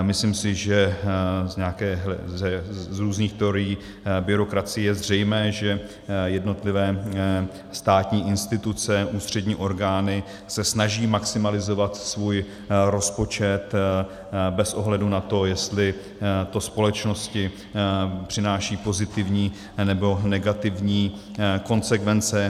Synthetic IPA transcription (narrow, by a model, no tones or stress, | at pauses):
mɪsliːmsɪʒɛzɲɛakɛːɦɛzɾuːzniːxt̪ɛo̞ɾɪjiː | bɪɾo̞kɾat͡sɪjɛjɛzr̝ɛjmɛːʒɛ | jɛdno̞t̪lɪvɛː | st̪aːt̪ɲiːʔɪnst̪ɪt̪ut͡sɛʔuːst̪r̝̥ɛdɲiːʔo̞ɾɡaːnɪ | sɛsnaʒiːmaksɪmalɪzo̞vat̪svuːj | ɾo̞spo̞t͡ʃɛt̪ | bɛsʔo̞ɦlɛdunat̪o̞jɛst̪lɪ | t̪o̞spo̞lɛt͡ʃno̞scɪ | pr̝̥ɪnaːʃiːpo̞zɪt̪ɪvɲiː | nɛbo̞nɛɡat̪ɪvɲiː | ko̞nsɛkvɛnt͡sɛ